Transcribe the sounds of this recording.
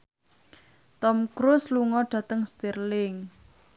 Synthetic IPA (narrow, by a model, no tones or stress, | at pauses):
t̪ɔmkɾʊsluŋɔɖ̥ä̤t̪əŋst̪irlɪŋ